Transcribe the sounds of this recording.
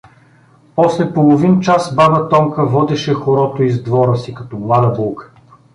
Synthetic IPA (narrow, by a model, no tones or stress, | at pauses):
pɔslɛpolˠovint͡ʃasbabɐt̪ɔmkəvɔd̪ɛʃɛxoɾɔt̪oizd̪vɔɾəsikɐt̪ɔmlˠad̪əbɔlˠkə̥